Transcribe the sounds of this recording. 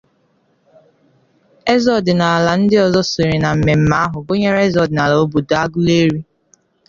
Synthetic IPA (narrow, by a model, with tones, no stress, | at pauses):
e˦zɔ˨dɪ˨na˨a˨la˨n̩˦dɪ˦ɔ˨zɔ˦se˨ɾe˨na˨m̩˨me˨m̩˦ma˨˦a˦ɦʊ˨bo˦ɲe˦ɾa˦e˦zɔ˨dɪ˨na˨la˨o˦bu˨da˦ɡʊ˦le˦ɾi˦